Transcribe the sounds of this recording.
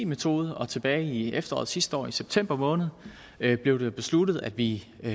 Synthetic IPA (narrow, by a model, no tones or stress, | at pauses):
iːmet͡sʰo̝ːð̞ˠəɒ̽t͡sʰe̝b̥ɛːɪiefd̥ɐɒ̰ːð̩ˠsisd̥ɒ̰ːiseb̥̚t͡sʰem̰b̥ɐmɔ̽ːnð̞̩ˠ | b̥le̝ʊde̝b̥e̝slud̥ð̩ˠæd̥ʋi